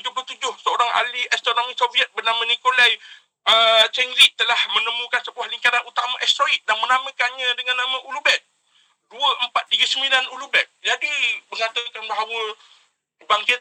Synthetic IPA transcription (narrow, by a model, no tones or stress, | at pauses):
t̪ud͡ʒʊplot̪ud͡ʒʊhsəoɾaŋa̰liʔɛst̪onomisoviət̪̚bərnamə̃nĩkolaj | ət͡ʃɛŋliʔ̚t̪ːəlahmənəmũkansəbuahliŋkaɾanut̪amãʔɛst̪ɾoit̪̚danmənamə̃kanɲãdəŋãnːamə̃ʔulubɛt̪̚ | duəʔəmpat̪̚tiɡəsəmĩlanulubɛt̪̚d͡ʒadiməŋat̪əkanbaɦawə | baŋkɪt̪̚